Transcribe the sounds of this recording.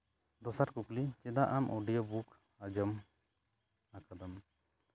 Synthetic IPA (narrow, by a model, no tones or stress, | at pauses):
d̪ɔsaɾkuklit͡ʃɛd̪aʔamʔɔɖijɔbuk | ad͡ʒɔm | akad̪ɔm